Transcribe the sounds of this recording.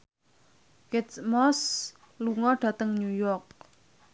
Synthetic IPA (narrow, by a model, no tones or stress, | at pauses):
kɪtsmɔs | luŋɔɖ̥a̤t̪əŋɲujɔrk̚